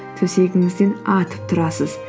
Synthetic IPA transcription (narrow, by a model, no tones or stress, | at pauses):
t̪ʰɵse̞ɡʲɪŋɪzd̪e̞nɑt̪ʰə̥p̚t̪ʰʊɾɑsəz̥